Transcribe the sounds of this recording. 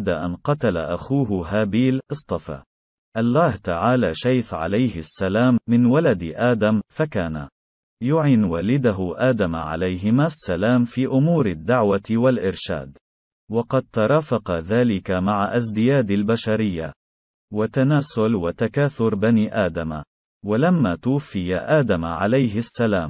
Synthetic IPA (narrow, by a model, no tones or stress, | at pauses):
d̪aʔa̰nqɑt̪ala̰ʔaxuːɦɦaːbiːlʔɨsˤt̪ˤɑfa̰ː | ʔalːaːht̪aʕaːlaːʃajθʕa̰lajhɪsːalaːmːɪnwalad̪ʔaːd̪amfakaːna̰ | jʊʕɪːnwaːlɪd̪aɦʊʔaːd̪amʕa̰lajɦɪmaːsːalaːmfiːʔʊmuːɾad̪ːaʕwawalʔɪɾʃa̰ːd̪ | wɑqɑd̪̚t̪ɑɾˤɑːfɑqɑðaːlɪkamaʕaʔazd̪ɪjaːd̪albaʃaɾɪjːa̰ | wat̪anaːsʊlwat̪akaːθʊɾbaniʔaːd̪ama | walamːaːt̪ʊwafːɪjaʔaːd̪amaʕa̰lajɦɪsːalaːm